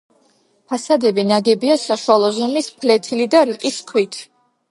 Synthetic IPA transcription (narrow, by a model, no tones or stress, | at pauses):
pʰasad̪ɛbinaɡɛbiasaʃwalˠɔzumispʰlɛt̪ʰilid̪aɾiqʼiskʰwit̪ʰ